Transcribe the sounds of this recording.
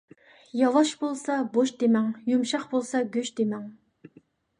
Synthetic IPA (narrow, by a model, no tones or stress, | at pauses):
jɑlˠɑʃbolˠsɑboʃd̪emɛŋjumʃɑχbolˠsɑɡʲøʃd̪emɛŋ